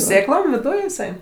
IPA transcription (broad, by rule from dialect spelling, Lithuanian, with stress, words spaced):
ˈsʲeːklˠoːm ʋʲɪˈdʊj ɪˈsɐɪ